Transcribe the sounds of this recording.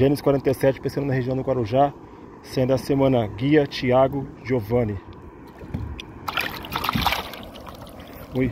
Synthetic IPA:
ʒẽnɪskwaɾẽnt̪ejsɛt͡ʃɪ̥pẽsɐ̃nd̪ʊnɐɦeʒiɐ̃w̃d̪ʊɡwaɾuʒa | sẽd̪ʊɐsemɐ̃nɐɡiɐt͡ʃiaɡʊʒovɐ̃nɪ

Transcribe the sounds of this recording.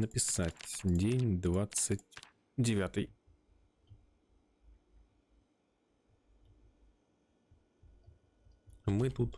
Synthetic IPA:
nəpʲɪsatʲdʲenʲd̪vat̪sɨtʲ | dʲɪvʲat̪ɨj | mɨt̪ut̪

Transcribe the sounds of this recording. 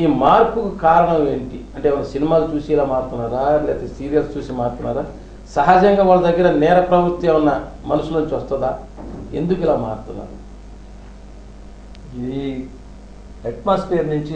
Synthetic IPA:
iːmaːɾpukukaːɾɐɳɐmeːɳʈiɐɳʈeːʋɐnːɐsinimaːlut͡ʃuːsiːlaːmaːɾt̪unːaːɾaːlɛːt̪ɐsiːɾijɐlst͡ʃuːsimaːɾt̪unːaːɾaː | sɐɦad͡ʒɐŋɡaːʋɐlːɐd̪ɐɡːɐɾɐnɛːɾɐpɾɐbuɾt̪ːeunːɐ | mɐnusuloːnɲt͡ʃiʋɐst̪ɐd̪aː | ḛnd̪ukilaːmaːɾt̪unːa̰ːɾu | eʈmaːspeːɾnuɲt͡ʃi

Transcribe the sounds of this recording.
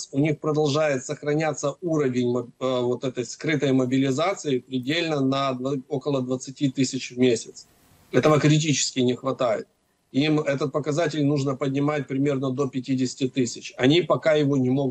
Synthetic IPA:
sʲʊnʲixpɾəd̪ɐlˠʐajɪt̪səxɾɐnʲat̪sːəuɾəvʲɪnʲməvo̞t̪ɛt̪əjskɾɨt̪əjməbʲɪlʲɪzat̪sɨɪpɾʲɪdʲelʲnənəd̪vəo̞kəlˠəd̪vət̪sɨtʲit̪ɨsʲɪt͡ɕvmʲesʲɪt̪s | ɛt̪əvəkɾʲɪt̬ʲit͡ɕɪ̥skʲɪnʲɪxvɐt̪ajɪ̰t̪̚ | imɛt̪ət̪̚pəkɐzatʲɪlʲnuʐnəpədʲnʲɪmat̚ʲpɾʲɪmʲe̞rnəd̪o̞pʲɪtʲidʲɪsʲɪ̥tʲɪt̪ɨsʲɪt͡ɕɐnʲipɐkajɪvonʲɪmo̞ɡ

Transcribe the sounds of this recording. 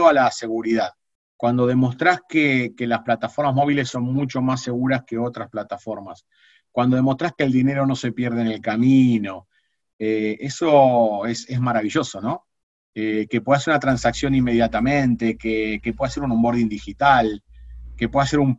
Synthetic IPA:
oalase̞ɣuɾiðað | kwand̪o̞ðe̞mo̞st̪ɾaskekelasplat̪afo̞ɾmazmo̞β̞ile̞sːo̞nmut͡ʃo̞mase̞ɣuɾaske̞o̞t̪ɾasplat̪afo̞ɾmas | kwand̪o̞ð̞emo̞st̪ɾaskeːld̪ine̞ɾo̞no̞se̞pjeɾð̞enelkamino̞ | eeso̞esezmaɾaβiʒo̞so̞no̞ | eke̞pweðaseɾunat̪ɾansaksjo̞nimːe̞ð̞jat̪amẽnt̪ekekepweðase̞ɾunõmbo̞ɾðind̪ixit̪alke̞pweðase̞ɾum

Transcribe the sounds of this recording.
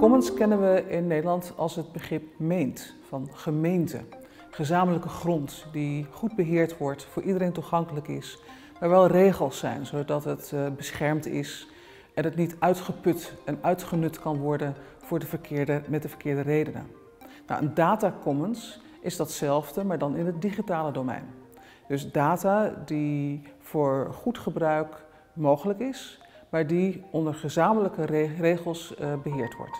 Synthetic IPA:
kɔmənskɛnənʋəɪnːejdəlɑntɑ̰lˠsɦəd̚bəχrɪp̚mejnt | fɑnχəmejntə̰ | χəzaːmələkəχrɔntdiχud̚bəɦɪːɹtʋɔɹtfʊːɹʔidəɾejntuχɑŋkələkɪs | ʋaːɹʋɛlˠrejχəlˠsːɛ̰jnzodɑtɦətbəsχɛɹmtɪ̰s | ʔɛnətnitœɥtχəpɵtɛnœɥtχənɵtkɑnʋɔɹdən | v̥ʊːɹdəvəɹkʰɪɹdəmɛt̚dəvəɹkɪːɹdərejdənə̰ | na̰ʔəndaːtakɔməns | ʔɪzdɑtsɛlˠvdəmaːɹdɑnɪnətdiχitaːlədowmɛ̰jn | d̥ɵsdaːtaːdivʊːɹχutχəbrœɥk | mowχələkɪs | maːɹdiɔndəɹχəzaːmələkərrejχəlˠsbəɦɪːɹtʋɔ̰ɹt

